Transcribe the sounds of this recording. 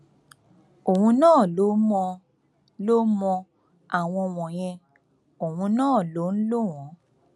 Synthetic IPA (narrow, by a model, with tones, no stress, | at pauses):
o˨hũ˧nãː˦˨lo˨˦mɔ̃˧ | lo˦mɔ̃˧ | a˨w̃ɔ̃˧w̃ɔ̃˨j̃ɛ̃˧ | o˨hũ˧nãː˦˨lo˨˦n̩˦lo˦˨w̃ɔ̃˨˦